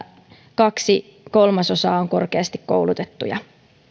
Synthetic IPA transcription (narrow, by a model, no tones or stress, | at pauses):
kɑksi | ko̞lmɑso̞sɑːoŋko̞rkeɑst̪ikko̰wlut̪et̪ːṵjɑ̰